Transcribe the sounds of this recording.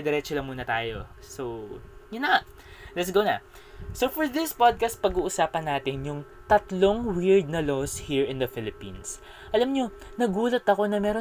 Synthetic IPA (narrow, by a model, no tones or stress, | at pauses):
d̪ɛɾɛːt͡ʃolɐŋmuːnɐt̪aːjo̞̰ | sowjʊnɐŋa | lɛt̪sɡonɐ̰ | sofɔɹðɪspad̪̚kɐst̪̚pɐɡuːʔʊsaːpɐnːaːt̪ɪnjʊŋ | t̪ɐt̪lo̞ŋwɪɹd̪̚nɐloshiɹɪnd̪ɐfɪlɪpḭ̃ns | ʔɐlamɲo̞nɐɡuːlɐt̪ɐko̞nɐmɛːɾo